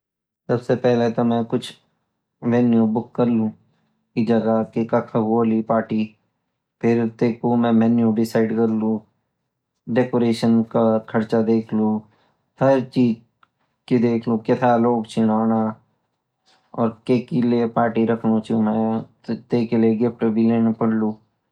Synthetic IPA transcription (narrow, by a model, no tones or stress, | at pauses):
sɐbsepɛɦlet̪omɛ̃kʊt͡ʃʰ | ʋɛnjubʊkːɐɾlũ | id͡ʒɐɡakekakʰaɡoːlipaːʈi | pʰɪɾt̪eːkũmɛ̃mɛnjuɖɪsaːɪɖkɐɾlũ | ɖeːkoːɾeːʃənkakʰɐɾt͡ʃad̪eːkʰlu | hɐɾt͡ʃiːd͡ʒ | kid̪eːkʰlũkɪt̪ʰaloːɡt͡ʃʰɪnaːna | ɔːɾkeːkilepaːɾʈiɾɐkʰnõt͡ʃumɛ̃ | t̪eːkeleɡep̚ʈbʱileːnepɐɽluː